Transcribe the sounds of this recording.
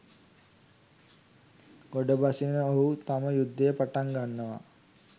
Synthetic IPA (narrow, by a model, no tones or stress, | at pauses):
ɡ̥oɖəbasinəoɦut̪aməjud̪ːejəpaʈaŋɡanːəʋa̰